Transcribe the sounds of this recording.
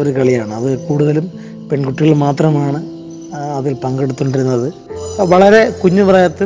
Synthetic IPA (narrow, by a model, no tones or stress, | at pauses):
o̞ɾukɐɭijaːɳɨɐðɨkuːɽuðɐlum | pe̞ɳkuʈːiɣɐɭmaːt̪rɐmaːɳɨ | ɐðilpɐŋɡeɽut̪ːuɳɖiɾunːɐðɨ | ʋɐɭɐɾe̞kuɲːuʋrɐjɐt̪ːi